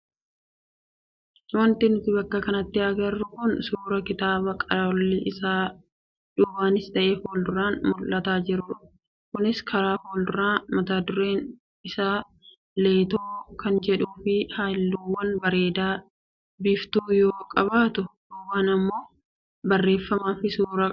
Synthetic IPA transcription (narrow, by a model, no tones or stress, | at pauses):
wɐnt̪ɪnʊt̪ɪbɐkːɐkɐnɐt̪ːɪɐɡɐrːʊkʊnsuːɾɐkɪt̪aːbɐkʼɐɾlːɪʔɪsaː | ᶑʊːbaːnɪst̪ɐʔeːfhoːldʊɾaːnmʊlːɐt̪aːd͡ʒɪɾʊ | kʊnɪskʰɐɾaːhoːld̪ʊɾaːmɐt̪aːd̪ʊɾe̞ːn | ɪsaː | le̞ːt̪oːkɐnd͡ʒɛᶑuːfɪhaːlːuːwːɐnbɐɾe̞ːd̪aː | bɪft̪uːjoːkʼɐbaːt̪ʊ | oːwaːnɐmːo̞ː | bɐrːe̞ːfːɐmaːfɪsuːɾɐ